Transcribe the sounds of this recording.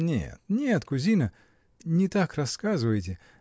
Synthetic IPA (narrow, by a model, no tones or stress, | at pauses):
nʲḛt̪nʲet̪kʊzʲinə | nʲɪt̪akrɐskazɨvəjtʲɪ